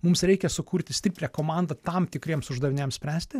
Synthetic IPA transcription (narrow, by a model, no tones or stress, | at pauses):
mʊmsɾʲɛɪkʲɛsʊkuːɾʲt̪ʲɪsʲt̪ʲɪpʲlʲɛkoːmɑˑnd̪ɐt̪ɑmt̪ʲɪkɾʲiɛmsʊʒd̪ɐʋʲɪnʲeɛmsʲpʲɾʲæːsʲt̪ʲɪ